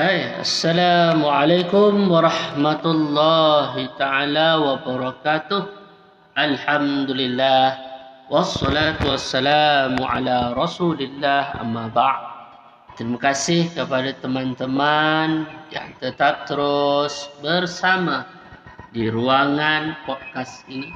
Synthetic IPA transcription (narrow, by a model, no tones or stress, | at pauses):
aja̰sːalamʕalajkʊmwɑɾˤɑhmat̪ulːɑɦit̪aʕalawabəɾˤɑkat̪ʊh | ʔalħamd̪ulilːahwɑsːɔlat̪uwasːalamuʕa̰laɾɑsulilːaha̰mːabad̚ | t̪əɾimakasɪhkəpadat̪əmãnt̪əmanja̰ŋt̪ət̪ap̚t̪əɾʊsbərsama | diɾuaŋanpɔd̚kast̪i